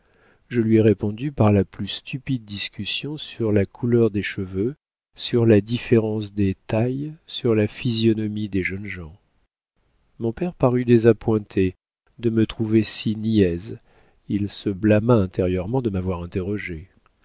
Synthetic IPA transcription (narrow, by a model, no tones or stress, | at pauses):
ʒəlɥiɛʁepɔ̃d̪ypaʁlaplyst̪ypid̪̚ːiskʲysjɔ̃syʁlakʰulœʁd̪eʃəvø | syʁlad̪ifeʁɑ̃s̬d̪et̪ajsyʁlafizjɔnɔmid̪eʒənʒɑ̃ | mɔ̃pɛʁpaʁyd̪ezapwɛ̃t̪ʰe | d̪əmət̪χuvesiniɛz | ilsəblamaɛ̃t̪eʁjœʁmɑ̃d̪əmavwaʁɛ̃t̪eʁɔʒe